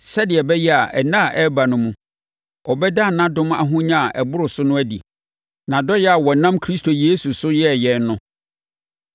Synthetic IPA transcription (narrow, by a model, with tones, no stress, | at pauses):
sɛ˦dɪ˨ɛ˨bɛ˦jɛ˦a˨ʔɛ˨nã˦˨ʔɛ˦ba˨nʊ̃˦mũ˦ | ɔ˨bɛ˦da˦˨nã˦dʊ̃˦m˦a̰˨ɦʊ̃˦ɲã˦a˨ʔɛ˨bʊ˦ɾʊ˨sʊ˦nʊ̃˦æ˦dḭ˨ | nã˨dɔ˦jɛ˦a˨wɔ˨nã˦mkʰɾi˦stʰo˨je˦su˨sʊ˦jɛ˦˨jɛ˨n˦nʊ̃˦